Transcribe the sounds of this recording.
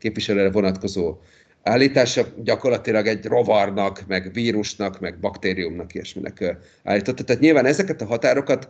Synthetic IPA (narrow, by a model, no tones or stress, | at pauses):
keːpviʃɛløːɾɛvo̞nɒt̪ko̞zoː | aːlːiːt̪aːʃɒɟɒko̞rlɒt̪ilɒɡɛɟro̞vɒrnɒkmɛɡviːɾuʃnɒkmɛɡ̚bɒkt̪eːɾijumnɒkiɛʃmḭnʔɛ̰kø | a̰ːlːiːt̪o̞t̪ːɒ̥t̪aːt̪ɲilvaːnɛzɛkɛt̪ɒɦɒt̪aːɾo̞kɒt̪